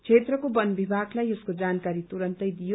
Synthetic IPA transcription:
t͡sʰet̪rʌkobʌnbʱibʱaɡlajeskod͡zankaɾit̪uɾʌnt̪ʌjd̪ijo

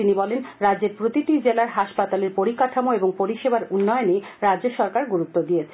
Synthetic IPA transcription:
inibɔlenɾadd͡ʑeɾpɾot̪iʈ̪id͡ʑelaɾɦaʃpat̪aleɾpoɾikaʈʰamoeboŋpoɾiʃebaɾunːɔeoneɾadːd͡ʑeɾʃɔɾkaɾɡuɾut̪ːod̪ijet͡ɕʰ

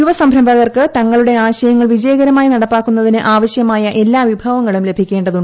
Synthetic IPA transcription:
juʋɐsɐmbʱɾɐmbʱɐɣɐrkɨt̪ɐŋːɐɭuɽe̞aːɕɐjɐŋːɐɭʋid͡ʑɐjɐɣɐɾɐmaːjinɐɽɐpːaːkːunːɐðinɨʔaːʋɐɕjɐmaːjɐʔe̞lːaːʋibʱɐʋɐŋːɐɭumle̞bʱikʲːe̞ːɳɖɐðuɳɖ

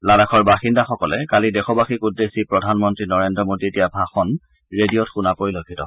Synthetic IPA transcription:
lalakʰɔɹbaxindaxɔkɔlɛkalidɛxɔbaxikudːesipɹɔdʱanmɔntɹinɔɹendɹɔmodietijabʱaxɔn | ɹedijɔtxunapoɹiloɡʱitɔ̰

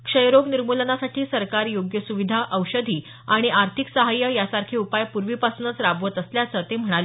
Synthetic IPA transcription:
kʂəjɾoɡniɾmulənasaʈʰiːsəɾkaɾjoɡjəsuʋid̪ʱaʔəwɕəd̪ʱiː | aɽ̃iʔaɾt̪ʰiksəɦajːəjasaɾkʰeupajpuɾʋipasunət͡sɾabʋət̪əsljat͡sət̪em̤əɽ̃ale

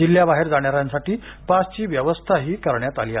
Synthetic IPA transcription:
d͡ʑilːjabaɦeɾd͡zaɽ̃jaɾjãnsaʈiːpast͡ɕiːʋjəʋəst̪ʰaɦiːkəɾɳjat̪aliːa

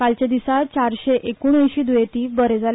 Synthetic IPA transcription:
kalt͡ɕad̪isat͡ɕaɾɕeʔekuɳ̃ẽjɕiːd̪ujet̪iːbəɾed͡zal

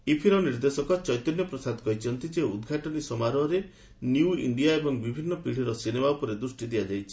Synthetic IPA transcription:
ipʰiɾɔniɾd̪esɔkɔt͡ʃɔjt̪ɔnjɔpɾɔsad̪kɔjt͡ʃʰɔnt̪id͡ʒeud̪ɡʱaʈɔnisɔmaɾɔːɾe | njuḭɳɖijaebɔŋbibʱinːɔpiɽ̤iɾɔsinemaupɔɾed̪ɾusʈid̪iad͡ʒajt͡ʃʰi

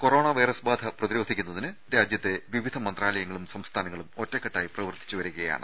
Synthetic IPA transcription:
ko̞ro̞ːɳɐʋɐjrɐsbaːd̪ʱɐprɐðiɾo̞ːd̪ʱikʲːunːɐðinɨɾaːd͡ʑjɐt̪ːe̞ʋiʋid̪ʱɐmɐnd̪raːlɐjɐŋːɐɭumsɐmst̪ʰaːnɐŋːɐɭumo̞tːekːɐʈːaːjiprɐʋɐrt̪ʰi̥t͡ɕːuʋɐɾuɣɐja̰ːɳɨ

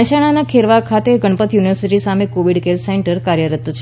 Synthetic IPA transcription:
əʃaɽ̃anakʰeɾʋakʰat̪eɡəɳpət̪juniʋəɾsiʈisamekoʋiɽkeɾseɳʈəɾkaɾjəɾət̪t͡ʃʰ

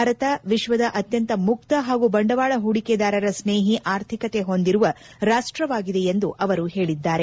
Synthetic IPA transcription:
aɾɐt̪ɐʋiʃʋɐd̪ɐʔɐt̪jɐnt̪ɐmuk̚t̪ɐɦaːɡubɐɳɖɐʋaːɭɐɦuɽiked̪aːɾɐɾɐsneːɦiʔaːɾt̪ʰikɐt̪e̞ɦo̞nd̪iɾuʋɐ | ɾaːʂʈɾɐʋaːɡid̪e̞jend̪uʔɐʋɐɾuɦe̞ːɭid̪ːaːɾe

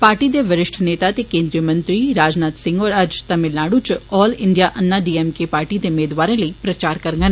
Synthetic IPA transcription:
paːɾʈiːd̪eːʋɪɾɪʃʈʰneːt̪aːt̪eːkẽːnd̪ɾijəmə̃nt̪ɾiːɾaːd͡ʒnaːt̪sɪ̃ŋɡɔːɾəd͡ʒt̪əmɪlaːɽuːt͡ʃɔːlɪɳɖijaːʔənːaːɖiːɛːmkeːpaːɾʈiːd̪eːʊmeːd̪ʋaːɾẽːləiːpɾət͡ʃaːɾkəɾɡən

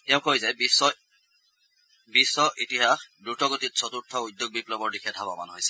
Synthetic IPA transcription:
tɛʊ̃kʰojzabisːɔ | bisːɔʔitiɦaxdɹutɔɡotit̚sʰɔtuɹtʰɔudjoɡ̚biplɔbɔɹdixʰɛdʱabɔma̰nɦojsɛ̥

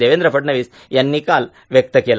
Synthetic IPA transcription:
eʋend̪ɾəpəʈɳɐʋiːs | janːikal | ʋjɐk̚t̪əkela

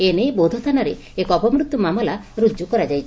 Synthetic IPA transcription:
enejbowd̪ʱɔt̪ʰanaɾe | ekɔpɔmɾut̪ːumamɔlaɾud͡ʒukɔɾad͡ʒajt͡ʃʰ

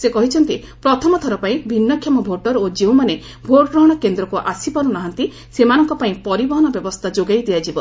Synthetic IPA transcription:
sekɔɦit͡ʃʰɔnt̪i | pɾɔt̪ʰɔmɔt̪ʰɔɾɔpaĩbʱinːɔkʰːjamɔbʱoʈɔɾod͡ʒew̃mane | bʱoʈkɾɔɽ̃ɔkend̪ɾɔkuʔasipaɾunaɦant̪i | semanɔŋkɔpaĩpɔɾibɔɦɔnɔbjɔbɔst̪ʰad͡ʒoɡajd̪ijad͡ʒibɔ

